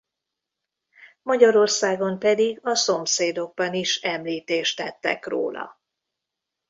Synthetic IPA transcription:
mɒɟɒɾo̞rsaːɡo̞mpɛd̪iɡɒso̞mseːd̪o̞ɡ̚bɒniʃɛmliːt̪eːʃt̪ɛt̪ːɛ̰kro̰ːlɒ̰

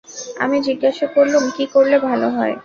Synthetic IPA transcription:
a̰mid͡ʑiɡːaʃakoɾlumkikoɾlebʱaloɦɔe

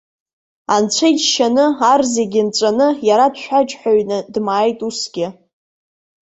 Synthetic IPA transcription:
ant͡ɕʷʰejt͡ʃʃanɨarzeɡʲɪnt͡ʃʷʼanɨjaɾadʃʷᶣat͡ʃʼħʷaɥnɨdmaːjtʼusɡʲɪ

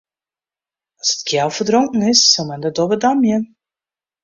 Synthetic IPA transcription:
ɑsə̥tkʰjɛlˠfərdroŋkən̩ɪsːɔlˠmɛndədɔbədɑmjən

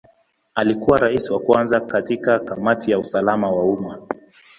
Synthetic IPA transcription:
alikuwaɾaisiwakwanzakatikakamatijausalamawauma

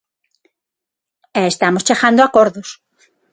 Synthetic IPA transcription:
eest̪amost͡ʃeɣand̪oakoɾðos

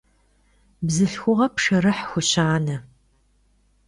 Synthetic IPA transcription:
bzɨɬxʷʊʁɐpʂɐɾɨħxʷʊɕaːnɐ

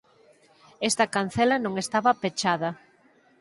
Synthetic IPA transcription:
ɛst̪ɐkan̟θɛlɐnõŋest̪aβɐpet͡ʃaðɐ

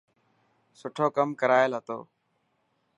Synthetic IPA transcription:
sʊʈʰoːkəmkəɾaːɪlɦət̪o̰ː

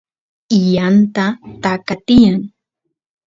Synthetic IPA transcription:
ijant̪at̪akat̪ɪjaŋ

